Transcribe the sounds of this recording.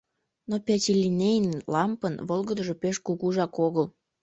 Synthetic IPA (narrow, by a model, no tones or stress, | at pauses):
nopʲæt͡ɕʲelʲinejənlɑmpənβolɣəd̪əʒopeʃkuɣuʒɑkoɣəl